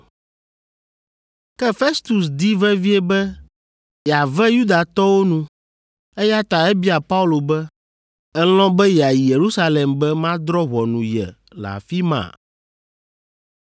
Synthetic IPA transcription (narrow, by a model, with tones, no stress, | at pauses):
kɛ˦fe˦st̪u˨sd̪i˦vɛ̃˦vi˦e˦bɛ˦ | jɛ˨a˨vɛ˦ju˦d̪a˨t̪ɔ˦wo˦nũ˦ | e˦ja˦t̪a˨ɛ˦bi˦a˨pa˦u˦lo˨bɛ˦ | ɛ˦lɔ̃˦bɛ˦jɛ˨a˨ji˨je˨ɾu˦sa˦le˨mbɛ˦mã˦d̪ɾɔ˦ɣɔ˨nũ˨jɛ̰˨ | la̰˨fi˦mã̰˨